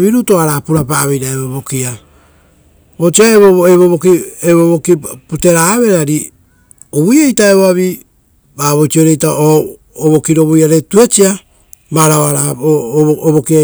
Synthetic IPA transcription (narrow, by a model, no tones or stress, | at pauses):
βiɾutoaɾaːpuɾapaːβejɾaeβoβokia | ot͡ʃiaeβoeβoβokieβoβokipute̞ɾaβe̞ɾaɾi | oβujejtaeβoaβi | baβot͡ʃioɾejtaʔoː | βokiɾo̞βojaɾetuet͡ʃia | maɾaoaɾa | oβokia